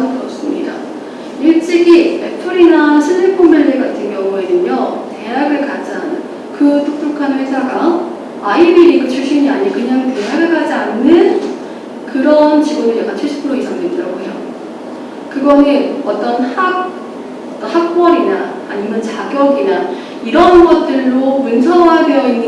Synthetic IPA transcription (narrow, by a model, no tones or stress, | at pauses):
kʰɯʌs͈ɯmɲḭda̰ | iɭt͡ɕ͈iɡietʰuɾinasʰɯnʰɯɭpʰommenɯɡatʰɯnɡjʌŋuedɯɲʌte̞ɦaɡɯɭkad͡ʑia̰nɯn | kɯtʰok̚t͈okʰanɸwesʰaɡaː | iɾiɾikɯt͡ɕʰuɭɕ͈iɲiaɲikɯɲaŋte̞ɦaɡɯɭɡad͡ʑianːɯn | kɯɾʌnt͡ɕiɡonɯɭteɡat͡ɕʰeɭɕʰi̥pʰɯɾoisʰaŋdwendɯɾa̰ɡoejo | kɯɡʌnɯnʌt͈ʌnhak̚ | ʌt͈ʌnhak̚p͈ʌɾina̰ː | ɲimjʌnt͡ɕaɡjʌɡina | iɾʌnɡʌt̚t͈ɯɭːomunsʰʌwadejʌinːɯ